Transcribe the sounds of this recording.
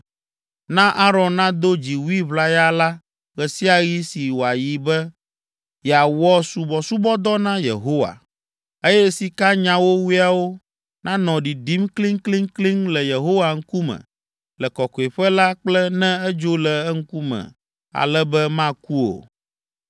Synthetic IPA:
nã˦ʔa˦ɾɔ̃˨nnã˦d̪o˦d͡ʑi˨wu˦i˦βla˦ja˦la˦ | ɣɛ˨si˦a˨ɣi˦si˨wo˨a˨ji˨bɛ˦ | jɛ˨a˨wɔ˦su˦bɔ˨su˦bɔ˦d̪ɔ˦nã˦jḛ˨ɦo˦wa̰˨ | e˦jɛ˦si˨ka˦ɲã˨wo˦wu˦a˨wo˦ | nã˦nɔ̃˨ɖi˨ɖi˦mkli˦ŋkli˦ŋkli˦ŋlɛ˨je˨ɦo˦wa˨ŋ̩˦ku˦mɛ̰̃˨ | lɛ˨kɔ˨kɔ˨i˨ɸɛ˦la˦k͡plɛ˦nɛ̃˦ɛ˦d͡ʒo˦lɛ˨ɛ˦ŋ̩˦ku˦mɛ̰̃˨ | a̰˨lɛ˦bɛ˦mã˦ku˦o̰˨

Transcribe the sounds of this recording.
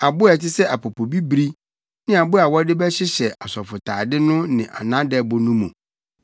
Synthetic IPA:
a˨bʊ˦ɛ˨tɪ˦sɛ˦ʔa˨pʰo˨pʰo˨bi˦bɾi˦ | nɪ̃˦a˨bʊ˦a˨wɔ˦dɪ˦bɛ˦ɕɪ˦ɕɛ˨a˨sɔ˨fʊ˨tʰaː˨dɪ˦nʊ̃˦nɪ̃˨ʔa̰˨nã˦dɛ˦bʊ˨nũ˦mũ˨

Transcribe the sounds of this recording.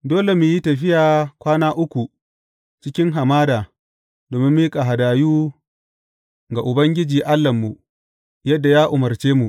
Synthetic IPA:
doː˦le˨mʊ˨ji˦tɐ˨ɸɪ˦jaː˨kʷaː˦naː˦ʔʊ˦kʷu˨ | t͡ʃɪ˦kʲɪ˦ŋɦa˨maː˦daː˨ | doː˨mɪ˦mːiː˦kʼa˨ɦa˨daː˨juː˦ | ɡa˨ʔʊ˨bɐ˦ŋɡʲɪ˦d͡ʒiː˨ʔa˦lːɐ˨mːu˨ʔ | jɐ˦dːa˨jaː˦ʔʊ˨mɐ˨ɾt͡ʃeː˦mu˨ʔ

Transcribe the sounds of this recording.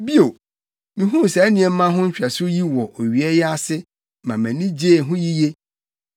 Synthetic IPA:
bi˦o˨ | nĩ˨ɦũ˦˨sɛ˨æ˦nĩ˨ɛ˨m̩˦mã˦ɦʊ̃˦ɲ̩˦ɕᶣa˨sʊ˦ji˦wɔ˨ʔo˨ɥi˨ɛ˦jɛ˦a˦sɪ˦ | mã˨mæ̃˨nĩ˦d͡ʑe˦˨ɦʊ̃˦ji˦je˦

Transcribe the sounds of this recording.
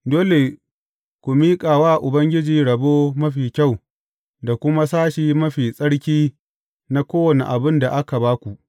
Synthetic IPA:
doː˦le˨ | kʷu˨miː˦kʼaː˨waː˦ʔʊ˨bɐ˦ŋɡʲɪ˦d͡ʒiː˨ɽɐ˨boː˦mɐ˦ɸiː˨kʲa˦˨w | da˨kʷʊ˦ma˦saː˦ʃiː˨mɐ˦ɸiː˨sʼɐ˦ɽkʲiː˦ | na˦kʷoː˦wɐ˨nḛ˨ʔa˨bɪ˦nda˨ʔa˦ka˨baː˦kʷu˨ʔ

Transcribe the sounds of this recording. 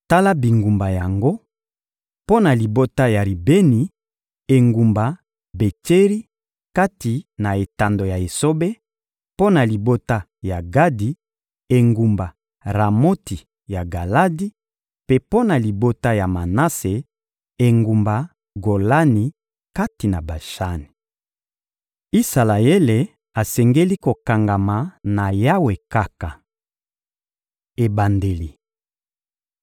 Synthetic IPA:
ta˦la˦bi˨ŋɡu˨mba˨ja˨ŋɡo˦ | po˦na˨li˨bo˦ta˦ja˨ɾi˨be˦ni˨ | e˨ŋɡu˨mba˨ | be˨te˦ʁi˦ | ka˦ti˨na˨e˨ta˨ndo˨ja˨e˨so˦be˦ | po˦na˨li˨bo˦ta˦ | ja˨ɡa˦di˨ | e˨ŋɡu˨mba˨ | ʁa˨mo˦ti˨ | ja˨ɡa˨la˦di˦ | pe˦po˦na˨li˨bo˦ta˦ja˨ma˨na˦se˨ | e˨ŋɡu˨mba˨ | ɡo˨la˦ni˨ | ka˦ti˨na˨ba˨ʃa˦ni˨ | i˦sa˨la˨e˦le˨ | a˨sɛ˨ŋɡe˦li˦ko˨ka˨ŋɡa˨ma˨na˨ja˦we˨ka˦ka˨ | e˨ba˨nde˨li˨

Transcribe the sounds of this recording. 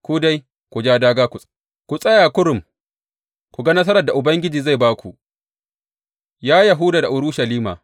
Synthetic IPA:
kʷu˦da˦j | kʷu˨d͡ʒaː˦daː˦ɡaː˦kʷu˨sʼ | kʷu˨sʼɐ˦jaː˨kʷʊ˦ɾʊ˨m | kʷu˨ɡa˦nɐ˦s̬ɐ˦ɾɐ˨rda˨ʔʊ˨bɐ˦ŋɡʲɪ˦d͡ʒiː˨za˦˨jbaː˦kʷṵ˨ʔ | jaː˦ja˨ɦʊ˦da˨da˨ʔʊ˦ɾʊ˦ʃɐ˨liː˦ma̰ː˨

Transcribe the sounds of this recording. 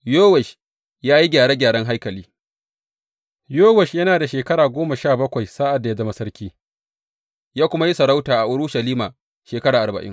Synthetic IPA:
joː˦wɛ˨ʃ | jaː˦ji˦ɡʲaː˨ɽeː˦ɡʲaː˨ɽɐ˦ŋɦa˦jkɐ˨liː˦ | joː˦wɛ˨ʃjɐ˦naː˨da˨ʃeː˨kɐ˦ɽaː˨ɡʷoː˦ma˨ʃaː˦˨bɐ˦kʷa˨jsaː˦ʔa˨dːa˨ja˦dɐ˦ma˦sɐ˦ɾkʲiː˦ | jaː˦kʷʊ˦ma˦ji˦sɐ˨ɽa˦wtaː˨ʔa˨ʔʊ˦ɽʊ˦ʃɐ˨liː˦maː˨ | ʃeː˨kɐ˦ɽaː˨ʔa˨bɐ̰˨ʔɪ̰˦ŋ

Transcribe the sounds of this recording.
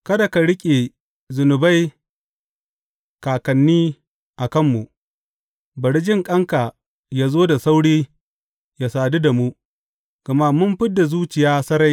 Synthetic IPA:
kɐ˦da˨ka˨ɽɪ˦kʲʼe˨ | zʊ˨nʊ˨ba˦j | kaː˨kɐ˨nːiː˦ | ʔa˨kɐ˦mːu˨ | bɐ˨ɽi˦d͡ʒɪ˦ŋkʼɐ˦ŋka˨ | ja˦zoː˦da˨sa˦wɽiː˦ | ja˨saː˨du˦da˨mu˦ | ɡ̥ɐ˨ma˦mʊ˦mɸɪ˦dːa˨zuː˦t͡ʃɪ˨jaː˦sɐ˦ɾa˦j

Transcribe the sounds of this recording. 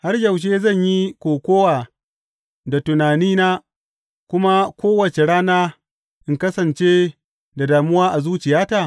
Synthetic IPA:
ha˦rjɐ˨wʃ̬eː˦zɐ˦˨ɲji˦kʷoː˨kʷoː˦waː˨ | da˨tʊ˨naː˨niː˦naː˦ | kʷʊ˦ma˦kʷoː˦wɐ˨t͡ʃe˨ɽaː˦naː˦ | ʔɪ˨ŋkɐ˦sɐ˨nt͡ʃe˦ | da˨daː˨mʊ˦waː˦ʔa˨zuː˦t͡ʃɪ˨jaː˦taː˨

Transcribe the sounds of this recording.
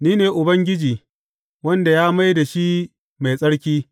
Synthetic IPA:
niː˦neː˨ʔʊ˨bɐ˦ŋɡʲɪ˦d͡ʒiː˨ | wɐ˦nda˨jaː˦ma˦jda˨ʃi˦ | ma˨jsʼɐ˦ɽkʲiː˦

